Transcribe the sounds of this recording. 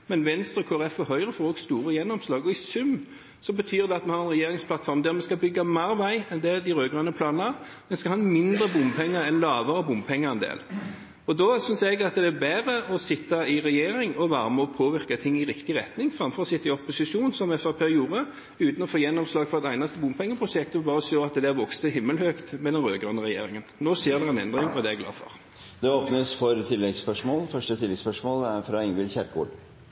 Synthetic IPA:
mɛnʋɛnst̪ɾɔkʰoːæɾɛfɛɦœʏʁəfɔːʁɔɡst̪uːɾəjɛnːɔmslɑːɡɔɪsʉm | sɔbət̪ʰyːʁd̪ɛɑt̪̚mɛnhɑɾɛnʁɛjeːɾɪŋspʰlɑt̪fɔɾmd̪æɾmɛskɑbʏɡːɑmæɾʋæɪɛnd̪ɛd̪ɪɾøːɡʁɑnəpʰlɑːnənə | mɛnskɑhɑnmɪnd̪ɾəbʊmpʰɛŋːəɾɛnlɑːʋəɾəbʊmpʰɛŋːəʁɛnd̪ḛːl | ɔd̪ɔsʏnsɛɡɑt̪d̪ɛːbæːʁəɔsɪt̪ːɑɪʁɛjeːɾɪŋɔʋæːʁəmɔpʰoːʋɪʁkɑt̪ʰɪŋːɪʁɪkt̪ɪʁɛt̪nɪŋfʁɑmfɔʁsɪt̪ːɪɔpːʊsɪʂuːnsɔmɛfəpʰæɾjuːʁə | ʉːt̪n̩ɔfoːjɛnːɔmslɑːɡfɔʁɛt̪æɪnɑst̪əbʊmpʰɛŋːəpʰʁʊʂɛk̚t̪ɔbɑːɾəsøːɑt̪d̪ɛæʋɔkst̪əhɪmːəlhøːkt̪mɛd̪ɛnʁøːɡʁʉnəʁɛjḛːɾɪŋənnoːseːʁɾd̪ɛʁɛɪnɛ̰nd̪ʁɪŋɔd̪ɛɛɡlɑ̰ːfɔ̰ʁ | d̪ɛoːpnəsfɔɾt̪ʰɪlːɛɡspœʂmoːlfœʂʈət̪ʰɪlːɛɡspœʂmoːlæɾfɾɑɪŋʋɪlçæɾkṵːɖ

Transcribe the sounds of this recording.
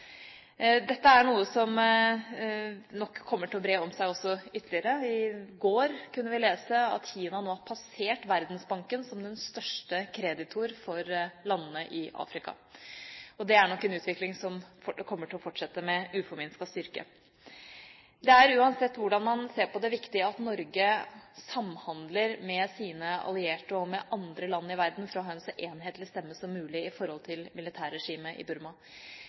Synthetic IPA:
d̪ɛt̪ːəæɳuːəsɔm | nɔkʰːɔmːəʈʰɪlɔbɾeːɔmsæɪɔsːɔʏt̪ʰːlɪəɾəɪɡoːɾkʰʉnːəʋɪleːsəɑ̰t̪çiːnɑnoːɑɾpʰɑseːʈʋæɾd̪nsbɑŋkənsɔmd̪ɛnst̪œʂʈəkʰɾɛd̪ɪt̪ʰʊɾfɔɾlɑnːənəʔɪʔɑ̰ːfɾɪkɑ̰ | ɔd̪ɛæɳɔkːɛnʉːt̪ʰʋɪklɪŋsɔmkʰɔmːəʈʰɪlɔfɔʈʂɛt̪ːəmɛʉːfɔɾmɪnskɑst̪ʏɾkə̰ | d̪ɛæɾʉːɑnsɛt̪ːʋʊɖɑnmɑnseːɾpɔd̪ɛʋɪkt̪ɪəɑt̪nɔɾɡəsɑmːhɑnd̪ləɾmɛsiːnəɑ̰lɪeːʈəɔmɛʔɑnd̪ɾəlɑnːɪʋæɾd̪n̩fɾɑɦɑːɛnsɔʔeːnɦeːt̪lɪst̪ɛmːəsɔmːʉːlɪɪfɔɾhɔlt̪ʰɪlmɪlɪt̪ʰæːɾːɛʂiːməʔɪ̰bʉɾmɑ

